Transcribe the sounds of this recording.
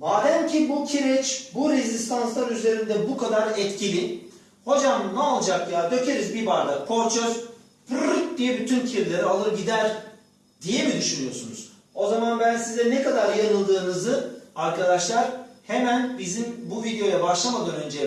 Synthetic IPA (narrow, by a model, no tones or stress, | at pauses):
baːlʲæmcʰibucʰiɾɛt͡ʃbuɾezist̪ʰanslˠaɾyze̞ɾind̪ɛbukʰad̪aɾɛt̪cʰilʲi | ho̞d͡ʒamnɛalˠd͡ʒakjad̪ø̞cʰeɾizbibaɾd̪akʰo̞ɾt͡ʃʰøz | pʰɯɾɯk̚d̪ijɛbyt̪ʰyncʰiɾlʲeɾialˠɯɾɯɟid̪æɾ | d̪̥ijɛbid̪yʃynyjo̞sunuz̥ | o̞zamanbænsizɛnekad̪aɾjaɾɯlˠd̪ɯːnɯzɯaɾkʰad̪aʃlˠaɾhemænbizimbuvid̪ejo̞jabaʃlˠamad̪ɯːnø̞nd͡ʒɛ